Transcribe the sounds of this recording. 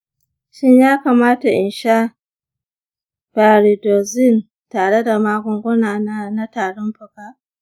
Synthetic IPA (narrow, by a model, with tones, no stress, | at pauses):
ʃɪ˦ɲjaː˦kaː˨maː˦ta˨ʔɪ˨nʃa˦ | b̥a˨ɾi˨do˨zɪ˦˨n | taː˨ɽe˦da˨maː˦ɡʷɔ˦ŋɡʷʊ˦naː˨na˦na˦taː˨ɽɔ˦mɸʊ˨ka˦ʔ